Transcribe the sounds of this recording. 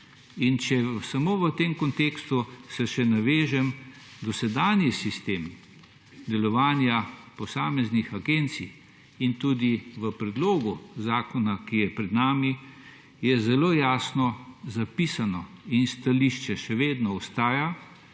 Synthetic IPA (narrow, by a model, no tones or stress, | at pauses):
int͡ʃɛsamoːʋət̪emkɔnt̪ekst̪usɛʃɛnaʋeːʒɛm | d̪ɔsɛd̪aːnjisist̪eːm | d̪ɛlɔʋaːnjapɔsaːmɛznixaɡent̪si | int̪uːd̪iʋəpɾɛd̪loːɡuzaːkɔnakijɛpɾɛd̪naːmi | jɛzɛloːjaːsnɔzapiːsanɔinst̪aliʃt͡ʃɛʃɛʋeːd̪nɔɔst̪aːja